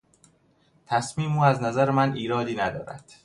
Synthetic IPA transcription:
t̪ʰæsmiːmuːæznæzæɾemæniːɾɒːd̪iːnæd̪ɒːɾæ̰d̪̥

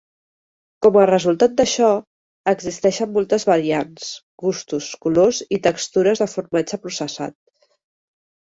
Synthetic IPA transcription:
kɔmərəzulˠt̪at̪̚d̪əʃɔ | əɡzist̪ɛʃəmːolˠt̪əzβəɾians | ɣust̪uskulozit̪əkst̪uɾəzðəfuɾmad͡ʒəpɾusəsa̰t̪̚

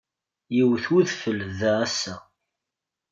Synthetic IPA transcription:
jiwθuðfəlðææsːæ

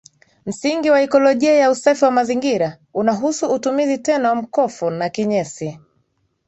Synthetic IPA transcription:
m̩siŋɡiwaikɔlɔʄiajausafiwamaziŋɡiɾa | unaɦusuːtumizitɛnawam̩kɔfunakiɲɛsi

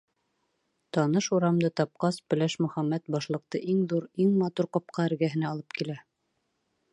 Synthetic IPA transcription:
t̪ɑnɤʃuɾɑmd̪ɤt̪ɑp̚qɑspɵ̆læʃmɵ̆χæmːæt̪̚bɑʃlˠɤ̆q̚t̪ɤʔiŋðuɾiŋmɑt̪uɾqɑp̚qɑɘ̆ɾɡæɦɘ̆næːlˠɤp̚kilæ

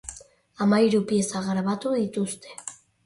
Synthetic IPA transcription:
amajɾupjesaɣɾaβat̪uðit̪ust̪e̥

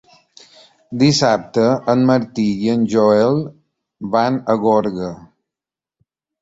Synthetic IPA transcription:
d̪isap̚t̪əːnməɾt̪iiənʲʒɔɛlˠ | banəɣɔɾɣə

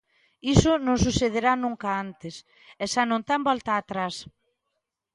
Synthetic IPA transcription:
isʊnõŋs̬uθeð̞eɾanũŋkaant̪ɪs | ɛsanõnt̪ambɔlt̪aːt̪ɾas

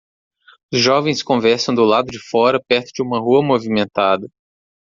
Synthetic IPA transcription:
ʊzʒɔvẽj̃skõvɛɾsɐ̃w̃d̪ʊlad̪ʊd͡ʒɪfɔɾɐpɛɾt̪ʊd͡ʒɪũmɐɦuɐmovimẽnt̪ad̪ɐ

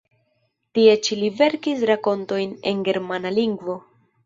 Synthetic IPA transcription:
tie̞t͡ʃilive̞ɾkisɾako̞nto̞jne̞̰nɡe̞ɾmanaliŋɡvo̞

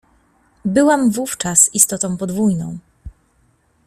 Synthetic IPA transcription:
bɘwamvuft͡ʂasist̪ɔt̪ɔ̃w̃pɔd̪vujnɔ̰̃w̃

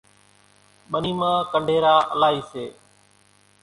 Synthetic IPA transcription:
ɓəniːmãːkəɳɖʱeːɾaːʔəlaːɦiːseː

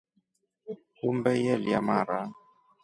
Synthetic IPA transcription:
kumbɛjɛlja̰maɾa

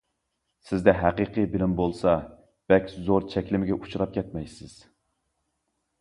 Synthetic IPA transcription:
sɪzd̪ɛɦæqɨqʰɨbɪlɪmbolˠsɑ | b̥ɛkʲzoɾt͡ʃʰɛkʲlɪmɪɡʲɛʔut͡ʃʰuɾɑp̚kʲʰɛt̪̚mɛjsɪz̥

